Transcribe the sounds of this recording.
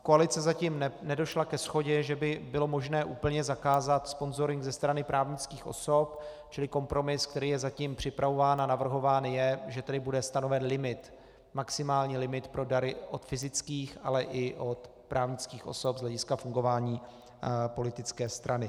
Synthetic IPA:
koalɪt͡sɛzaciːmnɛnɛdo̞ʃlakɛsxo̞ɟɛʒɛbɪbɪlo̞mo̞ʒnɛːʔuːpl̩ɲɛzakaːzat̪spo̞nzo̞ɾɪŋɡzɛst̪ɾanɪpɾʔaːvɲɪt͡skiːxo̞̰so̞p | t͡ʃɪlɪko̞mpɾo̞mɪsk̚t̪ɛɾiːjɛzaciːmpr̥ɪpɾʔavo̞vaːnanavr̩ɦo̞vaːnjɛʒɛt̪ɛdɪbudɛst̪ano̞vɛnlɪmɪt̪ | maksɪmaːlɲiːlɪmɪt̪pɾo̞daɾɪʔot̪fɪzɪt͡skiːxalɛʔɪʔo̞t̪ | pɾʔaːvɲɪt͡skiːxʔo̞̰so̞pzlɛɟɪskafuŋɡo̞vaːɲiː | po̞lɪt̪ɪt͡skɛːst̪ɾʔanɪ

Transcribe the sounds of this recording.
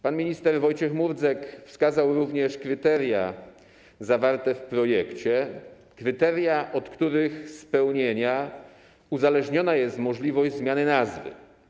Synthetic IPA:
panmʲiɲist̪ɛɾvɔjt͡ɕɛxmuɾd̪zɛkfskazawɾuvɲɛʂkɾɘt̪ɛɾja̰ | zavaɾt̪ɛfpɾɔjɛkt͡ɕɛ | kɾɘt̪ɛɾjaʔɔt̪kt̪uɾɘxspɛwɲeɲa | uzalɛʐɲɔnajɛst̪mɔʐlʲivɔʑzmʲjanɘnazvɘ̰

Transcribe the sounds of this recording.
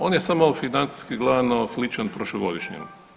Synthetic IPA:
oːnjesamofinant̪si̥skiɡlˠanoslit͡ʃanpɾoʃloɡo̞d̪iʃɲḭn

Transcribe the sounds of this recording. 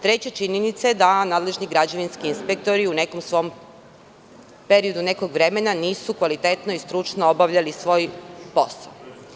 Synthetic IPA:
t̪ɾe̞t͡ɕet͡ʃiɲenit̪saed̪anaːd̪le̞ʒniɡɾad͡ʑeʋinskiinspek̚t̪o̞ɾiune̞komsʋo̞m | pe̞ɾio̞d̪une̞ko̞ɡʋɾe̞menaniːsukʋalit̪e̞t̪noist̪ɾut͡ʃnoobaʋʎalisʋo̞ːjpo̞sa̰o

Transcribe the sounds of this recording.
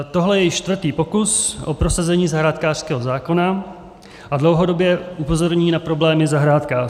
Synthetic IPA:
t̪oɦlɛjɛjɪʃt͡ʃt̪vr̩t̪iːpo̞kusʔopɾo̞sazɛɲiːzaɦɾaːt̪kaːr̥skɛːɦo̞zaːko̞na | ʔadlo̞wɦo̞do̞bjɛʔupo̞zo̞ɾɲiːnapɾo̞blɛːmɪzaɦɾaːt̪kaː

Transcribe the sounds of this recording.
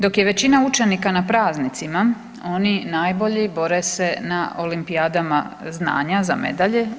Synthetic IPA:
d̪o̞kje̞ʋe̞t͡ɕinaut͡ʃe̞nikanapɾaːznit̪sima | o̞ninaːjbo̞ʎibo̞ɾese̞naʔo̞limpijaːd̪ama̰zna̰ːɲaza̰mḛd̪aʎe

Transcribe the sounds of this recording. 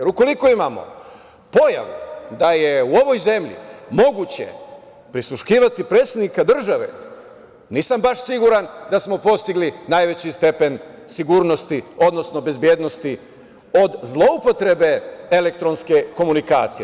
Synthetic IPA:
eɾuko̞liko̞imamo̞̰ | po̞ja̰ʋud̪aje̞uo̞ʋo̞jze̞mʎḭmo̞ɡut͡ɕe̞̰ | pɾislˠuʃkiːʋat̪ipɾeːt̪sed̪nikad̪r̩ʒaʋe̞̰ | niːsambaʃsiɡuɾand̪asmo̞po̞st̪iɡlinajʋe̞t͡ɕist̪e̞pe̞nsiɡuːɾno̞st̪io̞d̪no̞sno̞be̞zbjeːd̪no̞st̪i | o̞d̪zlˠo̞upo̞t̪ɾe̞be̞ele̞k̚t̪ɾo̞nske̞ko̞munika̰ːt̪sije

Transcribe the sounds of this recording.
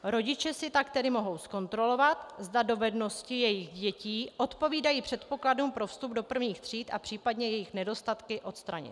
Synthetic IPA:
ɾo̞ɟɪt͡ʃɛsɪt̪akt̪ɛdɪmo̞ɦo̞wsko̞nt̪ɾo̞lo̞vat̪zdado̞vɛdno̞scɪjɛjɪxɟɛciːʔo̞t̪po̞viːdajiːpr̝̥ɛt̪po̞kladuːmpɾo̞fst̪ub̚do̞pr̩vɲiːxt̪r̝̥iːt̪ʔa̰pr̝̥iːpadɲɛjɛjɪxnɛdo̞st̪at̪kɪʔo̞t̪st̪ɾaɲɪ̰t̪

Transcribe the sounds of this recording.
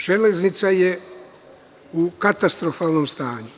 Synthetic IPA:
ʒ̥eleznit̪saje | ukat̪ast̪ɾofaːlˠnomst̪aːɲu

